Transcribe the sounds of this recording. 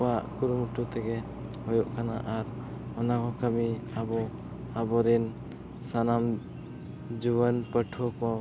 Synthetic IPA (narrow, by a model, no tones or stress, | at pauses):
waʔkuɾumuʈut̪ɛɡɛ | hɔjɔʔkʰanaʔaɾ | ɔnakɔkəmiabɔ | abɔɾin | sanam | d͡ʒuβənpəʈʰɔkɔ